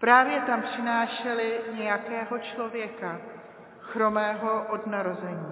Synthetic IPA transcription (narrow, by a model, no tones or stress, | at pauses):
pɾaːvjɛt̪ampr̝̥ɪnaːʃɛlɪɲɛjakɛːɦo̞t͡ʃlo̞vjɛka | xɾo̞mɛːɦo̞ʔodnaɾo̞zɛɲiː